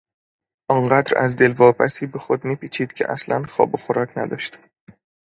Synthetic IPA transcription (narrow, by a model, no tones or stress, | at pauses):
ʔɒŋɢæːd̪ɾæ̰zd̪e̞lvɒːpʰæsiːbexo̞d̪miːpʰiːt͡ʃʰiːd̪̥cʰḛʔæslænxɒ̰ːboxoɾɒːcʰnæ̰d̪ɒːʃt̪